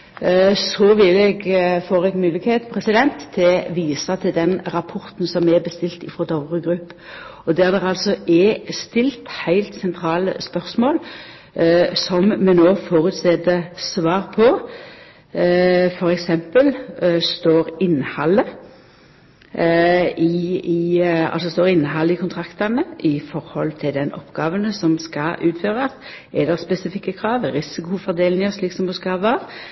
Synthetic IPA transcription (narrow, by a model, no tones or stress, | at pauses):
sɔʋɪlɛɡfoːɾɛɡmʉːlɪɡheːt̪pʰɾɛsɪd̪ɛnt̪ʰːɪʋiːsɑt̪ʰɪld̪ɛnɾɑpʰɔɾt̪n̩sɔmɛbəst̪ɪlt̪ɪfʁɔd̪ɑʊʁəɡɾʉpːɔd̪æɾd̪ɛʁɑlsɔʔɛst̪ɪlt̪hæɪlt̪sɛnt̪ʰɾɑːlə̰spœʁsmoːl | sɔmmɛnoːfoːɾʉt̪st̪eːd̪əsʋɑːʁpʰɔ | fɔɾɛksɛmpəlst̪oːɾɪnːəhɑlːə | ɪɪɑ̰lsɔst̪oːʁɪnːəɦɑlːəɪkʊnt̪ʰɾɑkt̪ənəʔɪfɔɾhɔlt̪ʰɪld̪ɛnʔɔ̰pːɡ̥ɑːʋənəsɔmskɑʔʉːt̪føːʁəs | ɛd̪ɛʁspɛsɪfɪkːəkʰɾɑːʋʁɪsɪkʊfɔʁd̪eːlnɪŋəsliːksɔmd̪uskɑʋɑːʁ